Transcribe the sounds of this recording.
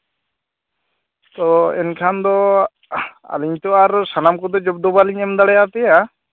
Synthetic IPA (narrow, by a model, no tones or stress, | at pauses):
t̪ɔɛnkʰand̪ɔ | a̰liɲt̪ɔaɾsanamkɔd̪ɔd͡ʒɔb̚d̪ɔbaliɲɛmd̪aɽɛjap̪ɛja